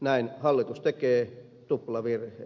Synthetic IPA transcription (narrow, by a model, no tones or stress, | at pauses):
næinhɑlːit̪ust̪ekeː | t̪uplɑʋirhḛː